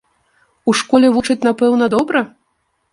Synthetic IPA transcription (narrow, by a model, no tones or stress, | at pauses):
uʂkɔlʲɛvut͡ʂɨt͡sʲnapɛwnɐd̪ɔbɾɐ